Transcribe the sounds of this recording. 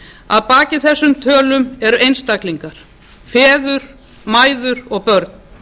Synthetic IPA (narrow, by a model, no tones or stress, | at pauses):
a̰ðpaːcɪθɛsːʏmt̪ʰœːlʏmɛɾʏʔejnst̪akliŋkaɾ̥ | fɛːðʏɾ̥ | maːjðʏɾɔɣpœɾt̪n̥